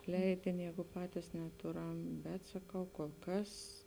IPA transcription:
ˈlʲɛɪdʲɪnʲɪ ˈjɛːɡʊ ˈpɑːtʲɪs nʲɛˈtʊˌrɐm bʲɛt sɐˈkɐʊ koːlˠ ˈkɐs

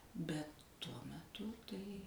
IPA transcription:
ˈbʲɛt ˈtuɔ mʲɛˈtʊ tɐɪ

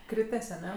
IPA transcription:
ˈkrʲɪtʲɛs ɐˈnʲɛ

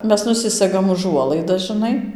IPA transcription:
ˈmʲɛs nʊˈsʲɪsʲɛɡɐm ʊˈʒuɔlˠɐɪdɐs ʒɨˈnɐɪ

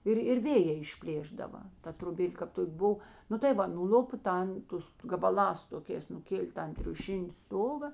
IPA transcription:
ˈɪr ɪr ˈʋʲeːjeː ɪʃʲˈpʲlʲeːʒdɐʋɐ ˈtɐ troːˈbʲeːlʲ kɐp ˈtoːkʲ ˈbʊw ˈnʊ tɐɪ ˈʋɐ nʊˈlʲʊpoː ˈtɐn ˈtʊs ɡɐbɐˈlˠɑːs toːˈkʲeːs nʊˈkʲeːlʲeː ˈtɐn tʲrʲʊˈʃʲɪnʲɪ ˈstoːɡɐ

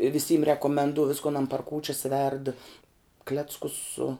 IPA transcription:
ʋʲɪˈsʲiːm rʲɛkoːmʲɛnˈduɔ ˈʋʲɪskoːn ɐn pɐr ˈkuːt͡ʃʲɛs ʋʲɛrt ˈklʲæːt͡skʊs sʊ

